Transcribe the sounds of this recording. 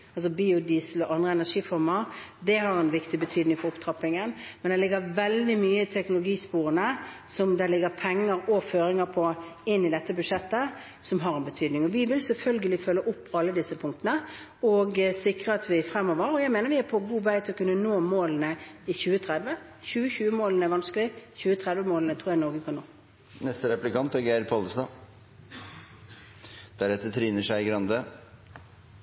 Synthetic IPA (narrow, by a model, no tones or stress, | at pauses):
ɑls̬ɔbiːʊd̪iːsəlɔʔɑnd̪ʁəɛnæʂiːfɔɾməɾd̪ɛɦɑɾɛnʋɪkt̪ɪbət̪ʰyːd̪nɪŋfɔɾʊpt̪ʰɾɑpːɪŋənmɛnd̪ɛlɪɡːəʋɛld̪ɪmyːəɪt̪ʰɛknʊlʊɡiːspuːɾənəsɔmd̪ɛlɪɡəpʰɛŋːəɾɔføːɾɪŋəɾpʰɔɪnːɪd̪ɛt̪ːəbʉʂɛt̪ːə | sɔmɦɑɾɛnbət̪ʰyːd̪nɪŋɔʋɪʋɪlsɛlfœlɡəlɪfœlːəʔʊpːɑlːəd̪ɪsːəpʰʊŋkt̪ənə | ɔɡsɪkʁəɑt̪ʋɪfɾɛmːɔʋəʁɔjæɪmeːnəɾʋɪæpʰɔɡuːʋæɪt̪ʰɪlɔkʰʉnːənoːmoːln̩əɪçʉːət̪ʰɾɛd̪ʋəçʉːəçʉːəmoːlənəɛʋɑnsklɪçʉːət̪ʰʁɛd̪ʋəmoːlnət̪ʰɾuːɾjæɪnɔɾɡəkʰɑnnoː | nɛst̪əɾɛplɪkʰɑnt̪ɔɡeːɾpʰɑləsd̪ɑː | d̪̥æɾɛt̪ːət̪ʰɾiːnəʂæɪɡɾɑnd̪ə